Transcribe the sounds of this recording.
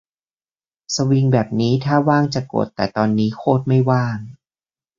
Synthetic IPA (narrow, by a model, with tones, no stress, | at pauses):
sa˧wi˧ŋbɛː˨˩p̚niː˦˥t̪ʰaː˥˩waː˥˩ŋt͡ɕa˨˩ko̰˨˩t̪ːɛː˨˩t̪ɔː˧nːiː˦˥kʰoː˥˩t̪̚ma˥˩jwaː˥˩ŋ